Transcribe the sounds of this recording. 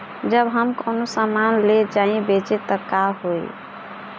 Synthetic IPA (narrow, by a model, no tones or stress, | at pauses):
d͡ʒəbɦəmkonosamanled͡ʒaĩbet͡ʃet̪ɔkaɦoj